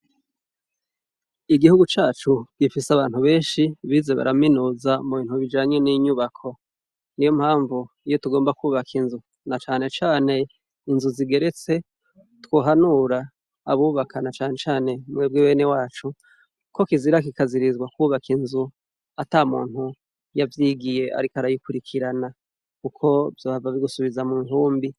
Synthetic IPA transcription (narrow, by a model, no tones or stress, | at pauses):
iɡihuɡut͡ʃaːt͡ʃuɡɡifisaβaːn̥huβe̞ːnʃiβiːze̞βa̰ɾaminuːzamuβiːn̥huβid͡ʒaːɲe̞niɲuβakʰo̞ | nijom̥haːɱvu | ijotuɡo̞ːmbakuβakʰinzu | nat͡ʃaːne̞t͡ʃaːne̞ | inzuziɡe̞ɾe̞t͡se̞ | two̞ːɦanuɾaː | βuːβakʰanat͡ʃaːne̞t͡ʃaːne̞mŋweːbɡewe̞ːne̞waːt͡ʃu | ko̞kiziɾak̬ikaziɾizɡwakuːβakʰinzu | atamṵːn̥hu | javjiːɡije̞ʔa̰ɾikaɾajikuɾikʰiɾana | kukʰo̞vjoːavaβiɡusuβizamuːŋhuːmbi